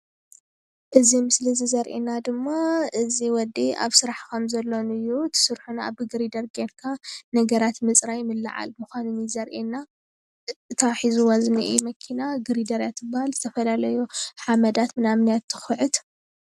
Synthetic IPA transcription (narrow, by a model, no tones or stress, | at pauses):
ʔɨzimɨslizizɐɾʔḛnad̪ɨmːaʔɨziwɔd̪ia̰βsɨɾaħkʰomzɐlːonɨjːut̪ʰɨ̥sɨɾħunaa̰βɨɡɨɾid̪ɐɾɡenkʰanɐɡɐɾat̪mɨt͡sʼɾajɪmɨlːa̰ʕa̰lmɨxʷanɨnizɐɾʔena | ɨt̪ʰaħizuwazniʔḭmɐkʰinaɡɨɾid̪ɐɾjat̪ʰːɨbɨhalzɨt̪ʰɐfɐlalɐjuħamɐd̪at̪mɨnamnijat̪ʰːɨ̥xɨʕɨt̪